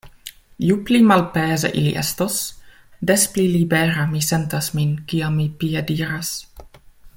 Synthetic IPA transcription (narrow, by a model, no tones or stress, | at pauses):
juplimalpeːzḛʔilḭʔḛstos | desplilibeɾamisentasminkiamːipiediːɾas